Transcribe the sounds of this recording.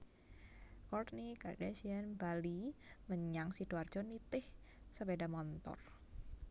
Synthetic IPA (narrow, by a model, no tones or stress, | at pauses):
kɔrt̪̚nikardɛsianbaliməɲaŋsiduard̥d͡ʒ̥ɔnit̪ɪh | səbedamɔnt̪ɔ̰r